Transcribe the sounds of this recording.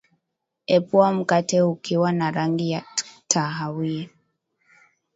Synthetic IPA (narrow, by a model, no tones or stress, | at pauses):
ɛpwam̩katɛukiwanaɾaŋɡijatʰaɦawiɛ